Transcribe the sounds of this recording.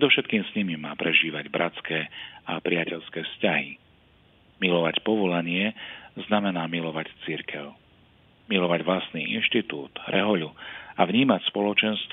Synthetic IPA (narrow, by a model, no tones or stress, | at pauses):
pɛd̪ɔʊʃɛt̪kiːmsɲimimaːpɾɛʒiːʋaɟbɾʔat͡skɛːapɾɪacɛʎskɛːfscaɦi | milɔʋacpɔʋɔlaɲɪɛznamɛnaːmilɔʋact͡siɾkʰɛʊ | milɔʋaɟʋlast̪nḭːʔḭnʃt̪it̪uːd̪̥ɾɛɦɔʎuavɲiːmacspɔlɔt͡ʃɛnst̪